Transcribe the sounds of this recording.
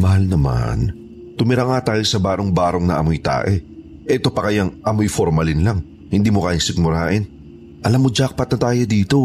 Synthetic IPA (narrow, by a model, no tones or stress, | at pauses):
mɐɦalnɐma̰n | t̪ʊmɪɾaŋat̪aːjosɐbaːɾoŋbaːɾo̞ŋnɐʔɐ̰mojt̪a̰ːʔɛ | ʔɛt̪o̞pɐkɐjaŋʔɐmojfoɾmɐlɪnlaŋ | hɪnd̪iːmokaʔjɪŋsɪk̚mʊɾaːʔɪn | ʔɐlamːod͡ʒak̚pɐt̪nɐt̪aːjod̪iːt̪o̞